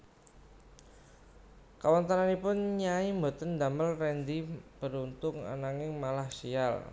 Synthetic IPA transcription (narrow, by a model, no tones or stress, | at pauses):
kawant̪aɾanipʊnɲaimbo̤t̪ənd̪aməlrɛnd̪ib̥əɾunt̪ʊŋa̰naŋɪŋmalahsia̰l